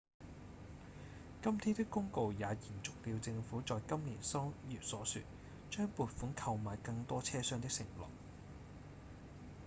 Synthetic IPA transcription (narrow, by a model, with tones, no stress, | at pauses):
kɐ˥mt̪ʰiː˥t̪ɪ˥kːʊ˥ŋko˧wjaː˨˧jiː˨˩nt͡sʊ˨k̚liː˧wt͡sɪ˧ŋfuː˨˥t͡sɔː˨jkɐ˥mliː˨˩nsɔː˥ŋjiː˨p̚sɔː˨˥syː˨t̚ | t͡ʃœː˥ŋpuː˨˧t̚fuː˨˥nkʰɐ˧wmaː˨jkɐ˧ŋt̪ɔː˥t͡sʰɛː˥sœː˥ŋt̪ɪ˥k̚sɪ˨˩ŋlɔ̰ː˨˩k̚